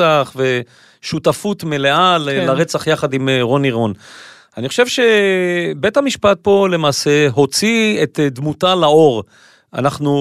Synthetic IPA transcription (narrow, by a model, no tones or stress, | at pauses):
aχve̞ | ʃutafutmele̞allaʁet͡saχjaχad̪imʁo̞niʁo̞n | aniχoʃe̞vʃe̞be̞thamiʃpat̪̚po̞le̞maːse̞ɦo̞t͡siet̪d̪mutalao̞ʁ | ʔa̰naχnu